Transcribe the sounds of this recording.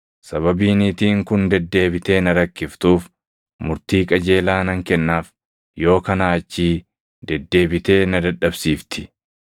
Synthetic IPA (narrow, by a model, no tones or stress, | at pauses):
sɐβɐbiːnit̪iːŋkʊnd̪ɛd̪ːe̞ːbɪt̪e̞ːnɐɾɐkːɪft̪uːf | mʊɾt̪iːkʼɐd͡ʒe̞ːlaːnɐŋkɛnːaːf | jo̞ːkɐnaːt͡ʃːiː | d̪ɛd̪ːe̞ːbɪt̪e̞ːnɐd̪ɐᶑɐbsiːft̪ɪ̥